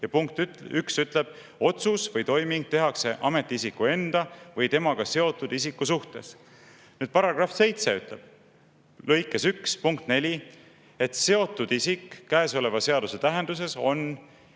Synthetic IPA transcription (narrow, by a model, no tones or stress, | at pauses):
jɑpuŋk̚t̪yksyt̪ˑle̞b̥ | o̞t̪susvɤjt̪o̞jmiŋɡ̥̚t̪e̞ɦɑkse̞ʔɑme̞t̪ːˑiisikːue̞nd̪̥ɑvɤjt̪e̞mɑɡ̥ɑse̞o̞t̪ːˑud̪isikːusuht̪e̞̰s | nyːd̪̥pɑɾɑɡ̥rɑfse̞jt̪seyt̪ˑle̞b̥̚ | lɤjkːesykspuŋkt̪ne̞lʲi | e̞t̪se̞o̞t̪ːˑud̪̥isikːæeso̞le̞vɑse̞ɑd̪̥use̞t̪æɦend̪̥us̬e̞so̞n